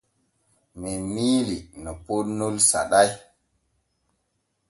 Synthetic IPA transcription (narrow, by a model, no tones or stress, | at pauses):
mɛmiːlinɔponːolsa̰ɗaj